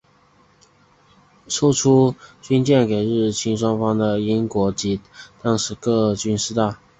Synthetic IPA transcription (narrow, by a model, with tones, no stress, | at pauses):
ʂo˥ʊʈ͡ʂʰu˥t͡ɕy˥nt͡ɕjɛ˥˩nke˨˩ɪɻɻ̩˥˩t͡ɕʰi˥nʂwɑ˥ŋfɑ˥ŋd̪ə˨i˥nkwɔ˧˥t͡ɕi˧˥t̪ɑ˥ŋʂɻ̩˧˥kɤ˥˧t͡ɕy˥nʂɻ̩˥˧t̪a˥˩